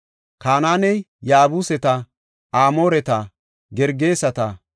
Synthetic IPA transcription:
kaːnaːnɛj | jaːbusɛt̪ɐ | aːmoːɾɛt̪ɐ | ɡɛɾɡe̞ːsɐt̪ɐ

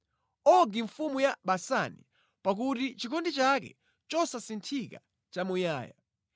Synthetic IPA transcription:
ɔɡiɱfumujaɓasanḭ | pak̬utit͡ʃikʰɔndit͡ʃakɛ̰ | t͡ʃɔsasintʰika̰ | t͡ʃamuja̰ːja̰

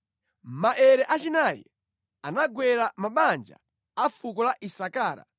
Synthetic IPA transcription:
maʔɛɾɛʔat͡ʃinajɛ̰ | anaɡwɛɾamaɓand͡ʒa̰ | afukɔlaʔisakaːɾa̰

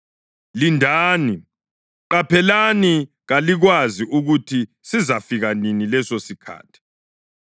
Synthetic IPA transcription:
lindʱaːni | ǃapʰɛlani | ɣaliɣwaziʔuɣutʰi | sizafiɣaninilɛsosikʰa̰ːtʰi̥

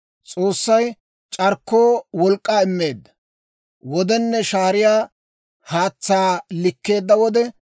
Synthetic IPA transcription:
t͡sʼo̞ːsːɐj | t͡ʃʼɐɾkːoːwɔlkʼːaːɪmːe̞ːd̪ːɐ̥ | wɔd̪ɛnːɛʃaːɾɪjaː | haːt͡sːaːlɪkːe̞ːd̪ːɐwɔd̪ɛ

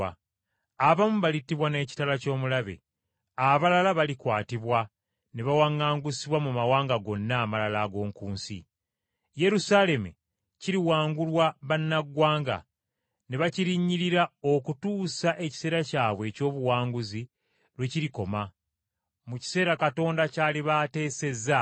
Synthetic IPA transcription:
a | aβamuβalitːiβwane̞ːci̥talaco̞ːmulaβe̞̰ | aβalalaβalikwaːtiβwa | neβawaŋːaːŋɡusiβwamumawaːŋɡaɡo̞nːaːmalalaːɡo̞ːŋkuːnsḭ | je̞ɾusale̞mu | ciɾiwaːŋɡulwaβanːaɡwaːŋɡa̰ | neβaciɾiːɲːiɾiɾao̞kutuːsaʔe̞ci̥se̞ːɾacaːβwe̞ːco̞ːβuwaːŋɡuzi | ɾwe̞ciɾiko̞ma | muci̥se̞ːɾakato̞ːndacaːliβate̞ːse̞za

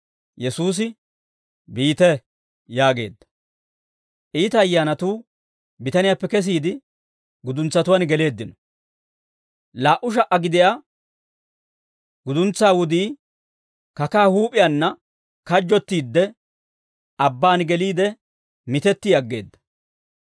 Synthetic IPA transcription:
jɛsuːs̬ɪ | biːt̪ɛ | jaːɡe̞̰ːd̪ːɐ̥ | ʔiːt̪ɐːjːaːnɐt̪uː | bɪt̪ɐnɪjapːɛkɛs̬iːd̪ɪ | ɡʊd̪ʊnt͡sːɐt̪ʊwɐnɡɛle̞ːd̪ːɪnɔ | laːʔʊʃ̬ɐʔːɐɡɪd̪ɪja | ɡʊd̪ʊnt͡sːaːwʊd̪iː | kɐkaːhuːpʼɪjaːnːɐ | kɐd͡ʒːɔt̪ːiːd̪ːɛ | ʔɐbːaːnɡɛliːd̪ɛ | mɪt̪ɛt̪ːiɐɡːe̞̰ːd̪ːɐ̥

